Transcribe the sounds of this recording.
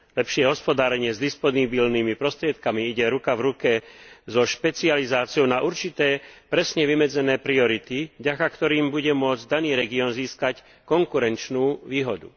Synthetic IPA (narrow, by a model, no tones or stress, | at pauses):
lɛpʃɪɛɦɔspɔd̪aːɾɛɲɪɛzd̪ispɔnibilnimipɾɔst̪ɾɪɛt̪kamiiɟɛɾukavɾukɛzɔʃpɛt͡sializaːt͡siɔʊnaʔuɾt͡ʃit̪ɛːpɾɛsɲɛʋimɛd͡zɛnɛːpɾiɔɾit̪ivɟakakt̪ɔɾiːmbuɟɛmʊɔd͡zd̪aniːɾɛɡiɔnziːskac | kɔŋkuɾɛnt͡ʃnuːʋiːɦɔd̪ṵ